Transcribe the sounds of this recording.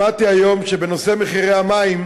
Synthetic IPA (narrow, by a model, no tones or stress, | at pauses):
at̪iajomʃebenose̞meχiʁehamaim